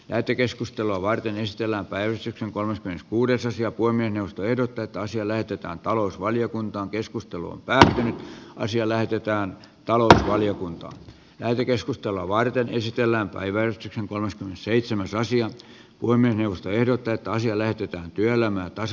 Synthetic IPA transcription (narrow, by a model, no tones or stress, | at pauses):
læhet̪ːˑekeskust̪eluɑʋɑrt̪enesit̪elːæːmpæiʋæst̪ykseŋkolmɑskyskuːdesɑsiɑpuohemːiesneuʋost̪oehdot̪ːɑet̪ːæɑsiɑlæhet̪et̪æ̰ːnt̪ɑlousʋɑljokunt̪ɑːŋkeskust̪elṵo̰mpæːt̪ːynyt̪ʔɑ̰siɑlæhet̪et̪æːn | t̪ɑlousʋɑljokunt̪ɑ̰ː | læhet̪ekeskust̪eloɑʋɑrt̪enesit̪elːæːmpæ̰iʋærist̪ykseŋkolmeskymːenesseit̪semæsɑsiɑ | puhemːiesneuʋost̪oehdot̪ːɑet̪ːæɑsiɑlæhet̪et̪æːnt̪yøelæmæːt̪ɑs